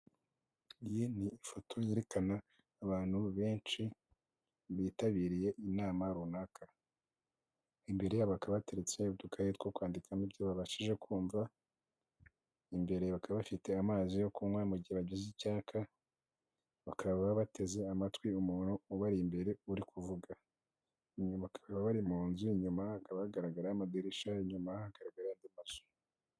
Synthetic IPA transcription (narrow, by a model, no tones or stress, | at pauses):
ijiniːfo̞tʰo̞jeɾe̞kanaː | βaːn̥huβe̞ːnt͡ʃi | βiːtaβiːɾije̞ʔinaːmaɾunakʰa | imbe̞ɾe̞jaβakaβaβate̞ɾet͡seuβdukʰajetwokwaːndikʰanibjoβaβaʃiʒe̞kʰuːɱva | imbe̞ɾe̞βakaβaβafite̞amaːzijo̞kuŋwamuɟiheβaɟizicaːkʰa | βakaβaaβaβate̞ze̞amatwiumunuuβaɾimbe̞ɾe̞uɾikuvuɡa | iɲumβakʰaβaβaβaɾimuːnzuiɲumaakaβaaɡaɾaɡaɾaamadeɾiʃaiɲumahahaɡaɾaɡaɾajandimazu̥